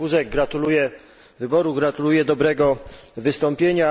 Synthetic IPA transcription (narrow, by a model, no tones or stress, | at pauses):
uzɛɡ̚ɡɾat̪ulujɛ | vɘbɔɾuɡɾat̪ulujɛd̪ɔbɾɛɡɔvɘst̪ɔmpʲjeɲa